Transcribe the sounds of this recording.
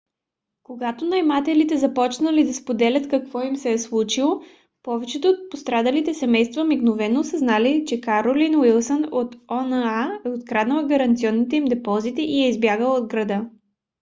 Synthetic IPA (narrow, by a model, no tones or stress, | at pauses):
koɡat̪onɐjmat̪ɛlit̪ɛzɐpɔt͡ʃnəlid̪ɐspod̪ɛlʲɐt̪kɐkvɔimsɛɛslˠut͡ʃilˠo | pɔvɛt͡ʃɛt̪oot̪̚post̪ɾad̪ɐlit̪ɛsɛmɛjst̪vɐmiɡnovɛnosɐznalit͡ʃɛkaɾolinwilˠsənot̪ɔnəaɛot̪kɾad̪nəlˠɡɐɾɐnt̪siɔnːit̪ɛimd̪ɛpɔzit̪ɛʔiɛizbjaɡəlˠod̪ɡɾɐd̪ɤ